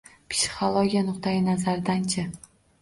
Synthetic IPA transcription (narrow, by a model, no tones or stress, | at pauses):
psi̥χolˠoɡʲijanʊqt̪ʰajɪnazaɾd̪ant͡ʃʰɪ